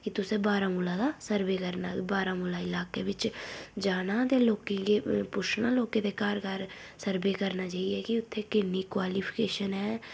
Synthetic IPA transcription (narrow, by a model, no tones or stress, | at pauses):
kɪt̪ʊseːbaːɾãːmʊlãːd̪aːsəɾbeːkəɾnaːbaːɾãːmʊlaːɪlaːkeːʋɪt͡ʃd͡ʒaːnãːd̪eːloːkẽkepʊʃnãːloːkẽːd̪eːkaːɾɡaːɾ | səɾbeːkəɾnaːt͡ʃaːiɛːkiʊt̪ʰːeːkɪnːikwaːliːpʰɪ̥keːʃənɦɛː